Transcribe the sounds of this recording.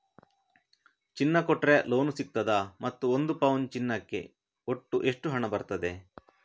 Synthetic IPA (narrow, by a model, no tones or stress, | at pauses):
t͡ʃinːɐkɔʈɾelo̞ːnusik̚t̪ɐd̪ɐmɐt̪ːuond̪upɐwnt͡ʃinːɐkːe̞̰ | oʈːuʔe̞ʂʈuɦɐɳɐbɐɾt̪ɐd̪e̞